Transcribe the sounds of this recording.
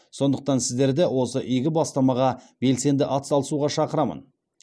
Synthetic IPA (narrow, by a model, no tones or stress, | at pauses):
so̞nd̪əq̚t̪ɑnsɪzd̪e̞ɾd̪ewo̞səʔijɡʲɪbɑst̪ɑmɑʁɑbe̞lse̞nd̪ɪʔɑt̪sɑlˠəsuʁɑʃɑqəɾɑmə̰n